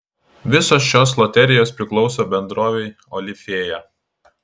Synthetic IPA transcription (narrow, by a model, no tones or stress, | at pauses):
ʋʲɪsoːsʃʲoːslˠɔt̪ʲɛɾʲɪjoːspʲɾʲɪklˠɒʊsoːbʲɛnd̪ɾoːʋʲɛɪ | ɔlʲɪfʲeːjɛ